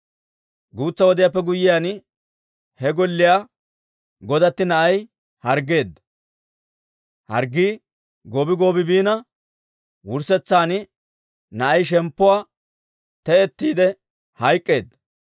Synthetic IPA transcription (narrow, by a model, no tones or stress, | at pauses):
ɡuːt͡sːɐwɔd̪ɪjaːpːɛɡʊjɪjaːn | hɛɡɔlːɪjaː | ɡɔd̪ɐt̪ːɪnɐʔɐj | hɐɾɡe̞ːd̪ːɐ | hɐ̰ɾɡiː | ɡoːbɪɡo̞ːbɪbiːnɐ | wʊɾsɛt͡sːaːnɪ | nɐʔɐjʃ̬ɛmpːɔwaː | t̪ɛɛt̪ːiːd̪ɛ | hɐjkʼːe̞ːd̪ːɐ